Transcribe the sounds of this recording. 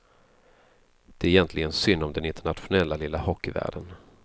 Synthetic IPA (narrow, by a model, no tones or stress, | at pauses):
d̪̥ɛæɾjɛnt̪ʰlɪɡənsʏnːɔmd̪ɛnɪnt̪əɳat̪ɧʊnɛlːalɪlːahɔkːɪvæ̰ːɖən